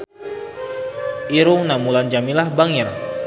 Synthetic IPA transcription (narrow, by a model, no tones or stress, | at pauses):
iɾuŋnamuland͡ʒamilahbaŋɛr